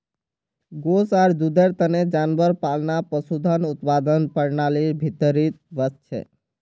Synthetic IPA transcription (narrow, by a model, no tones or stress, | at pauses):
ɡosaɾd̪ud̪eɾt̪əned͡ʒanbəɾpalnapəsud̪ʱənut̪pad̪ənpəɾnalibʱit̪əɾit̪bəst͡ʃʰɛ̰